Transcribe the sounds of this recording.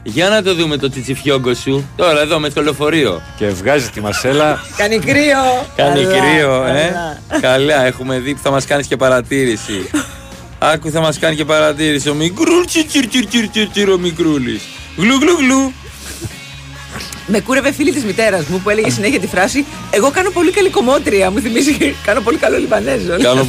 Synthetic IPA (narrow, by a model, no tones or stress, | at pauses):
ʝɐnɐt̪o̞ðume̞t̪o̞t͡sit͡sifço̞ŋɡo̞sut̪o̞ɾɐeðo̞mest̪olo̞fo̞ɾio̞̰cevɣɐzit̪imɐselɐkɐnikɾiokɐnikɾioekɐlɐe̞xume̞ðipu̥θɐmɐskɐnisce̞pɐɾɐt̪iɾisḭ | ɐkuθɐmɐskɐnice̞pɐɾɐt̪iɾisiomikɾult͡ʃit͡ʃiɾt͡ʃiɾt͡ʃiɾt͡ʃiɾt͡ʃiɾomikɾulḭs | ɣluɣluɣlu | me̞kuɾe̞ve̞filit̪izmit̪e̞ɾɐzmupue̞le̞ʝes̬ine̞çiɐt̪ifɾɐsi | e̞ɣo̞kɐno̞po̞likɐliko̞mo̞t̪ɾiɐmuθimizikɐno̞po̞likɐlolivɐne̞zokɐno